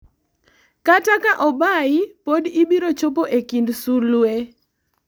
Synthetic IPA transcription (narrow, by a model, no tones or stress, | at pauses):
katakaʔɔbaɪpodibiɾot͡ʃopoʔekindsulwe